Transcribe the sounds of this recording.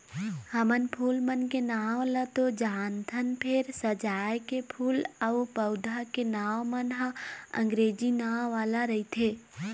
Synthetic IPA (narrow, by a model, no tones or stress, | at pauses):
həmənpʰuːlmənkenaːwlət̪od͡ʒaːnt̪ʰənpʰɪɾsəd͡ʒaːjkepʰuːləupəʊd̪ʱakenaːwmənɦãə̰̃ŋɡɾeːd͡ʒinaːwːaːlaɾəit̪ʰeː